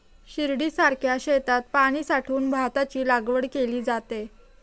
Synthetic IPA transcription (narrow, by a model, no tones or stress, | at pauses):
ɕiɾɽiːsaɾkʰjaɕet̪at̪̚paɽ̃iːsaʈʰuːnbʱat̪at͡ɕiːlaɡʋəɽkeliːd͡zat̪e